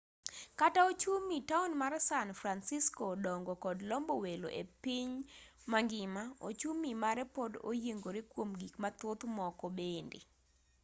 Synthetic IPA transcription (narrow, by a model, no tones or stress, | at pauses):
kataot͡ʃumitaunmarsanfɾansiskodɔŋɡɔkɔdlɔmbowelo̰ʔḛpiɲmaŋɡɪmao̰t͡ʃumimaɾɛpɔdo̰jeŋɡoɾekwomɡikmat̪ot̪mɔkɔbendḛ